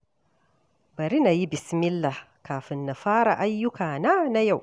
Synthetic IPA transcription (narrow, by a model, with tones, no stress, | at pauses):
bɐ˨ɾi˦na˨ji˦bɪ˨smɪ˦lːa˨ | kaː˨ɸɪ˨nːa˨ɸaː˦ɾa˨ʔa˦jːʊ˦kaː˨na˦na˦ja˦˨w